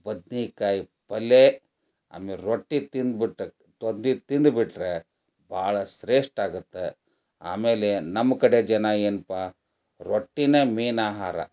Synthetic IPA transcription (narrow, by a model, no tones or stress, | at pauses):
bɐd̪nikaːji | pɐle | a̰ːmiɾoʈːit̪ind̪biʈːe | t̪ond̪it̪ind̪biʈɾe | bʱaːɭɐsɾeːʂʈaːɡut̪ːe | a̰ːmeːlenɐmːɐkɐɽed͡ʒɐnaeːnpa | ɾoʈːinemiːnaːɦaːɾɐ̰